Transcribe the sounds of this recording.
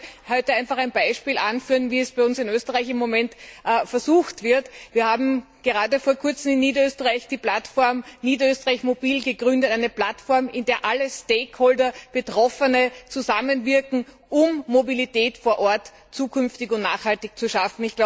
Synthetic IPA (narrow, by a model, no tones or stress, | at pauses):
hɔʏtəæɪnfaχæɪnbaɪʃpiːlʔanfyːɐnviːɛsb̥æɪʊnsɪnøːstəʁaɪçɪmːomɛntʔfɛɐzuːxtv̥ɪɐtv̥iːɐhaːbm̩ | ɡ̥əʁaːdəfoːɐkʰʊɐt͡sm̩ɪnːiːdɐøːstəʁaɪçd̥iːplatfɔɐmniːdɐøːstəʁaɪçmobiːlɡəɡʁʏndətæɪnəplatfɔɐmɪndeːɐʔaləsteːkholdɐb̥ətʁ̥ɔfənət͡suzamənvɪɐkŋ̩ | ʔʊmːobiliteːtfoːɐʔɔɐt | t͡suːkʰʏnftɪçʊntna̰ːχhaltɪçt͡suʃafn̩ɪçɡ̥la